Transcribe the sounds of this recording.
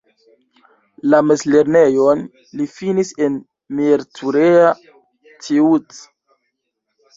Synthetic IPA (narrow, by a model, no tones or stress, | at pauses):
lamesle̞ɾne̞jon | lifinise̞n | miɾtʰuɾea | tʰiut